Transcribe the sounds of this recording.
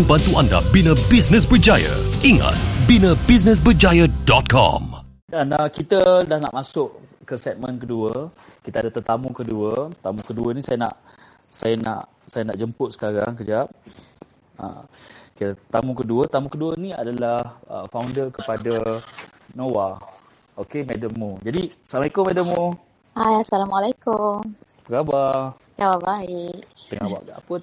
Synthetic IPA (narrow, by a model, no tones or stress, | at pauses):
ŋbant̪uanda̰binə̃bisnə̃s̬bəd͡ʒajə̰iŋa̰t̪̚binə̃bis̬nəs̬bəd͡ʒajədɔt̪̚kʰɔ̰m | danakit̪ədahna̰ʔmasʊʔ | kəsɛt̪̚mənkəduə | kit̪əadət̪ət̪amukəduət̪amũkəduənĩsajana̰ʔ | sajana̰ʔ | sajanaʔd͡ʒəmpʊt̪̚sə̥kaɾa̰ŋkəd͡ʒap̚ | ə̰kit̪at̪amukəduət̪amũkəduənĩa̰dalahə̰fawndəkəpada | nowa | okemɛdəmːud͡ʒadisamaikomɛdəmːu | ajasalamalajkʊm | b̥əɡabar | d͡ʒawabaɪʔt̪əŋaba̰ʔdaa̰pə